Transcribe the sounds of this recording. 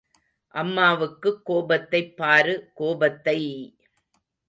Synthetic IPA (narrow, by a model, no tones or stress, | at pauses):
ʔɐmːaːʋɯkːɯkːoːbɐt̪ːɐɪpːaːɾɯkoːbɐt̪ːɐɪ